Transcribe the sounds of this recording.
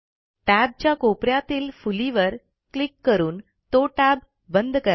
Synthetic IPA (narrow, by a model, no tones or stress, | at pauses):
ʈæb̚t͡ɕjakopɾjat̪iːlfuliʋəɾ | klikːəɾuːn | t̪oʈæb | bənd̪ʱkəɾ